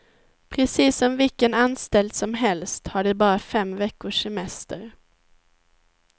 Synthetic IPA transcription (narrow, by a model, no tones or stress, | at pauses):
pʰɾɛsiːsɔmvɪkənanst̪ɛld̪sɔmɦɛlst̪haɖɛbɑːɾafɛmvɛkːʊʂɛmɛst̪ə̰ɾ